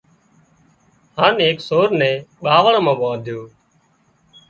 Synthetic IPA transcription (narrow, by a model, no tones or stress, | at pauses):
hãːneːksoːɾnɛ̃ːɓaːʋəɳamãːʋãːd̪ʱjoː